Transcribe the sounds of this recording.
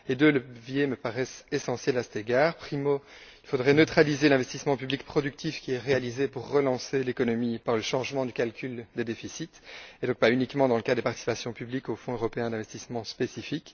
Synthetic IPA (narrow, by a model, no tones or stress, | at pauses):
ed̪øləvjeməpaʁɛsesɑ̃sjɛlasɛ̥t̪eɡaːʁpχimoilfod̪ʁɛnøt̪χalizelɛ̃vɛst̪ismɑ̃pyblikpχɔd̪yk̚t̪ifkʲiɛʁealizepuʁːəlɑ̃selekɔnɔmipaʁləʃɑ̃ʒmɑ̃d̪ykalkʲʰyld̪ed̪efisit̪ed̪ɔ̃k̚paynikmɑ̃d̪ɑ̃ləkadd̪epaʁt̪i̥si̥pasjɔ̃pyblikofɔ̃øʁɔpeɛ̃d̪ɛ̃vɛst̪ismɑ̃spesifik